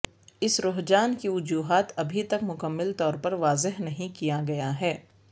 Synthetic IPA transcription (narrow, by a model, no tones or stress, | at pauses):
ɪsɾʊɦd͡ʒaːnkiʋʊd͡ʒuːɦaːt̪ɐbʱit̪ɐkmʊkəmːɪlt̪ɔːɾpɐɾʋaːzɪɦnɐɦĩkijaɡɐjaɦɛː